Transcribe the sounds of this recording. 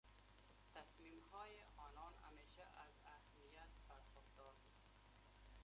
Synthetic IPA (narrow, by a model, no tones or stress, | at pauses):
t̪asmimhɔːjɪʔɒːnɒna̰meːʃaʔazahmijat̪̚paɾxʊqd̪ɒːɾbud̪